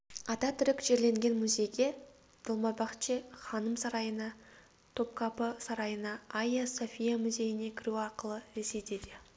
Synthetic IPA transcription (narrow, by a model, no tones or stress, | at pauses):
ɑt̪ɑt̪ʰʏɾɪkʒ̥e̞ɾle̞ŋɡʲe̞nmʊzʲe̞jɡʲe̞ | d̪̥əlˠmɑbɑqt͡ʃeχɑnəmsɑɾɑjənɑ | t̪ʰo̞p̚kʰɑpəsɑɾɑjənɑajasofʲijamʊzʲe̞jɪne̞kʲʰɪɾuɑɾqəlˠəɾesed̪ed̪ɪ